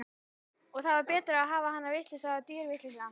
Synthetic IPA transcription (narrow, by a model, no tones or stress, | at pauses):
ɔɣθaðvaɾpɛːt̪ɾaaðɦaːvaɦanːaɾvɪht̪lɪsat̪iːɾvɪht̪lɪsaa